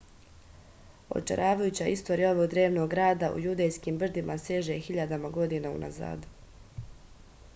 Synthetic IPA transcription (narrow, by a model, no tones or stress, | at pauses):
o̰t͡ʃḛɾʔaːʋajut͡ɕaist̪o̞ɾijao̞ʋo̞ɡd̪ɾeːʋno̞ɡɾaːd̪aʔṵjud̪ejskimbr̩d̪imaseʒexiʎad̪amaɡo̞d̪inaṵnʔa̰za̰ːd̪